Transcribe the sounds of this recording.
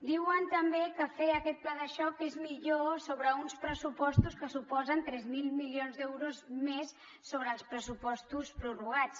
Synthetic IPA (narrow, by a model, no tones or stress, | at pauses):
d̪iwənt̪əmbekəfeəkɛt̪̚plaðəʃɔkezmiʎosoβɾəunspɾəsupɔst̪uskəsupɔzənt̪ɾɛzmilˠmiljonzd̪ɛwɾuzmesː | oβɾəːlˠspɾəsupɔst̪uspɾuruɣ̞at͡s